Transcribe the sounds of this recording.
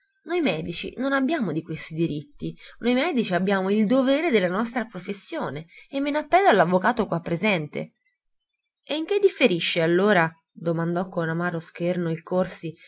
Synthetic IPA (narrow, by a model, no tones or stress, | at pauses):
nojmɛːd̪it͡ʃḭnonabːjaːmod̪ikwest̪id̪iɾit̪ːinojmɛːd̪it͡ʃiabːjaːmoild̪oveːɾed̪elːanɔst̪ɾapɾofesːjoːneemːenapːɛlːoalːavːokaːt̪okwapːɾezɛnt̪ḛ | eiŋk̟ed̪ːifːeɾiʃːealːoːɾa | d̪omand̪ɔkːonamaːɾosk̟ernoilkorsi